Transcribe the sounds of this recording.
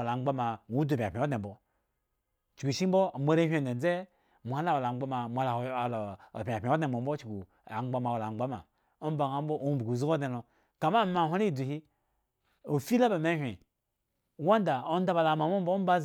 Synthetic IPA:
la˨ŋ͡mɡ͡ba˦ma˨nʷu˨˦du˨pʲpʲi˨˦dne˨bo˨ | t͡ʃi˨ɡu˨ʃi˦m˦bo˦˨mʷ˦e˦ɾe˦ɦʷe˨e˨˦d͡ze˦ | mu˨a˦la˦wo˨la˨ŋ͡ma˦ma˨mʷ˨a˨la˨l̰pʲi˨pʲi˨˦o˦dne˨bo˨m̩˦bo˦t͡ʃɡu˨ | a̰˨ŋ͡mɡ͡ba˦ma˨wo˨la˨ŋ͡mɡ͡ba˦ma̰˨ | o˦m˦ba˨ŋa˨˦m˦bo˦ʔo˦bu˨ɡu˨zi˦o˦dne˨lo˨ | ka˨ma˦˨ma˨ɦʷa˦ɾi˦˨du˨hi˦ | o˨fi˦la˦ba˨me˦ɦʲʷe˨ | wa˦n˦da˨o˦n˦da˦ba˨la˨ma˨mo˦m̩˦bo˦m˦ba˦

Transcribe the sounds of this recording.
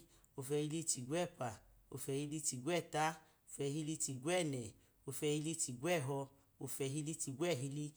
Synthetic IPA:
o˧fɛ˧hi˧li˦ti˧˨ɡʷɛ˦˨pa˨o̰˧fɛ˧hi˧li˦ti˧˨ɡwɛ˦˨ta˦ | o˧fɛ˧hi˧li˧˦˧ti˧ɡwɛ˦˨nɛ˨ | o˧fɛ˧hi˧li˦ti˧ɡwɛ˦˨ɦɔ˧ | o˧fɛ˧ɦi˧li˦ti˧ɡʷɛ˦˨ɦi˧li˧

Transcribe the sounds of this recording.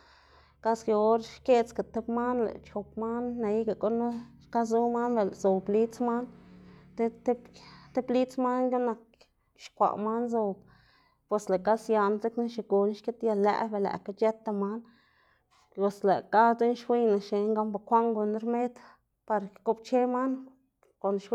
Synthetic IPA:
ka˦ske˧o˦ɾʃke˦t͡ska˨t̪e˦bma˦nlḛ˨t͡ʃo˨pma˦nːa˧˦ɡa˧˨ko˦no˦ʃka˦zu˦ma˦nbe˧lzo˨bli˦t͡sma˦nt̪e˦t̪e˦t̪e˦bli˦t͡sma˦njo˦na˧k̚ | ʃkʷa̰˨ma˦nzo˧b | pe˨sle˨ka˦sja˧nze˦kna˦ʃe˨ɡu˨n˦ʃke˦t̪ja˧lːæ̰˧˨be˨læ̰˨ka˧t͡ʃe˦t̪a˧ma˦n | lo˨sle˨ka˦t͡se˦nʃwi˦jna˨ʃe˨ŋɡa˦mba˨kʷa˦ŋɡo˧n˧˦ɾme˦d̪ | pa˧ɾko˦b̚t͡ʃe˦ma˦n | ko˨nʃwi˦

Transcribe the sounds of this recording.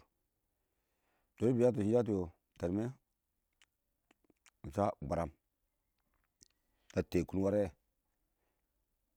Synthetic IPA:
d̥o˨˦i˦bi˨˦a˦t̬o˨ʃi˦d͡ʒa˦t̬i˨jo˨ | ta˨ɾme˦˨ | n̩˨sa˦ɡ͡ba˨ɾa˨m | na˨te˨ku˦n˦wa˦ɾe˦˨

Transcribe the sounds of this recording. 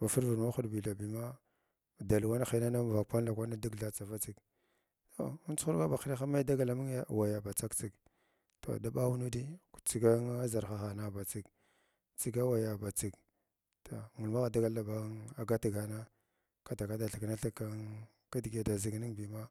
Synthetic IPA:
ba˨fu˦ɾvu˨ɾma˦xu˦dbi˨ɬa˨bi˨ma˦˨ | da˨lwa˦n˦xi˨na˦na˦m˨va˨k̚pa˦n˦la˨kʷa˦na˦di˦ɡɬa˨t͡sa˨va˦t͡si˦k | to˨˦t͡su̥˦u˦ɡa˦ba˨xi˦ɾi˦xa˦ma˦i˦da˦ɡa˨la˨mi˦ŋ˦a˦˨wa˨ja˨ba˨t͡sa˦kt͡si˦k | to̰˨da˦ba˦wu˦nu˦di̥˦˨t͡si˦ɡa˦a˦za˨ɾxa˦xa˨na˦ba˨t͡si˦k | t͡si˦ɡa˦wa˨ja˨ba˨t͡si˨k | to˨mu˨ma˦ɣa˨da˦ɡa˦la˨ba˨˦a˨ɡa˦ti˨ɡa˨na˦ | ka˨ta˨ka˦da˨ɬi˨kna˦ɬi˦ka˦ | ka˦di˨ɡa˦da˨zi˦ɡni˦ŋbi˨ma˦

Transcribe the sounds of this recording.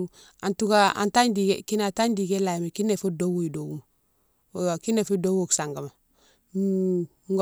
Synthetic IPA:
a˨ntu˦ka˦a̰˨nta˦ɲdi˨ke˨ki˦na˨ta˦ɲdi˨ke˦la˨jmi˨ki˦ne˨fo˦do˦wu˦˨i˨do˨ɡu˦m˨ | wwa˨ki˦ne˨fi˦do˦wo˨ksa˨ŋɡa˨ma˨˦ | ŋɡ

